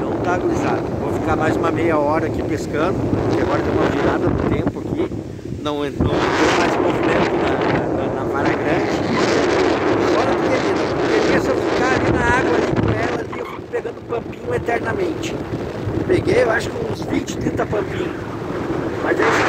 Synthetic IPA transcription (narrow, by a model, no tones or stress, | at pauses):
t̪ɐ̃w̃ñt̪aɡ̪uliza̰d̪ʊvofikaɾmajzd͡ʒũmɐmejɐɔɾɐkipeskɐ̃nd̪ʊpʊkɪaɡɔɾɐd̪ẽw̃mɐviɾad̪ɐd̪ʊt̪ẽmpʊaki | nɐ̃w̃ẽt̪ɐ̃w̃vemajzʊ̃movimẽnt̪ʊnɐnɐnɐpaɾɐɡɾɐ̃nd͡ʒɪ | fɔɾɐp̪eked͡ʒinɐ̃kemiɐsewfikaalinɐaɡwɐalikõɛlɐliewfikʊ̥peɡɐ̃nd̪ʊpɐ̃mpĩɲʊet̪ɛɾnɐmẽnt͡ʃɪ̥peɡejewaʃʊ̥kɪũzvĩt͡ʃɪ̥t̪ɾĩnt̪ɐpɐ̃mpĩɲʊ | mɐzes